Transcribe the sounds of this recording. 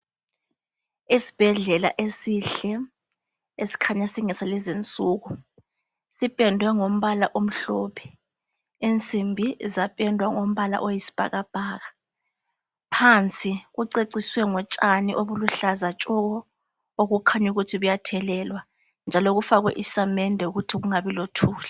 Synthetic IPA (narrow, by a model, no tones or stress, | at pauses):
isi̥b̥ʱɛɮɛla̰ʔesiɬɛ | esi̥kʰaɲasiŋɛsalɛzint͡sʼuːɣu | sipʼɛndʱwɛŋom̩βalaʔom̩ɬɔpʰɛ̥ | ent͡sʼimbʱizapʼɛndʱwaŋom̩βala̰ʔojisi̥b̥ʱa̰ɣab̥ʱaːɣa | pʰant͡sʼiɣuǀeǀiswɛŋɔt͡ʃʼaniʔoβuluɬazat͡ʃʼɔɣɔ | oɣukʰaɲuɣutʰiβujatʰɛlɛːlwa | nd͡ʒʱaloɣufaɣwɛ̰ʔisamɛndʱɛuɣutʰiɣuŋaβilotʰuːla